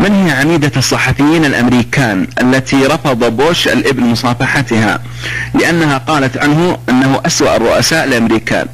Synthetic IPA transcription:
mɪnhɪjaʕamiːd̪asˤːɑħɑfɪjːiːnalʔamɾiːkaːnʔalːat̪ʰiɾˤɑfɑd̪ˤɑboːʃʔa̰lʔɪbnmʊsˤɑːfɑħat̪ɪha̰ | lɪʔanːaɦaqɑːlat̪ʕanɦʊʔanːaɦʊʔaswa̰ʔɑrˤːʊʔasaːʔɪlʔamɾiːka̰ːn

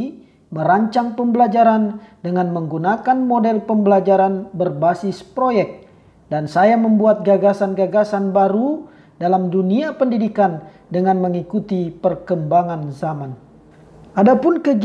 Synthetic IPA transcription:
məɾaɲt͡ʃaŋpəmbəlad͡ʒaɾandəŋanməŋɡunakanmodɛlpəmbəlad͡ʒaɾanbərbasɪspɾojɛk̚ | dansajaməmbuat̪̚ɡaɡasanɡaɡasanbaɾu | dalamduniapəndidikan | dəŋanməŋikut̪ipərkəmbaŋanzaman | ʔadapʊnkəɡ

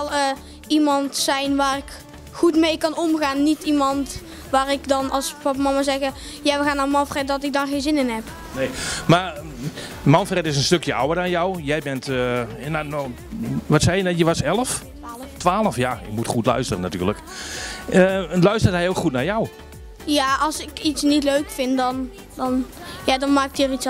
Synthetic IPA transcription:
ɛlˠə | imɑntsɛjnʋaːrɪk | xutmejkɑnɔmɣaːnːitimɑnt | ʋaːrɪkdɔnɑlˠspɑp̬mɑmazɛɣə | jaʋəɣaːnːaːrmɑnfrɛt̚dɔtɪk̚dɔnxeːnzɪnɪnɦɛp | nejma | mɑnfrɛtɪs̬ənstøkjəa̰wərdɔnjɔwjɛjbɛntnan | ʋɔtsɛjənɛjəʋasɛləf | tʋaːləfjaɪkmutχutlœ̰ɥstərənaty̰ːrlək | əlœɥstərtɦɛjowkχutnarjɔw | jaɑlˠsɪkitsnitløɥkfɪntdɔn | dɔnjadɔnmaːktəərits

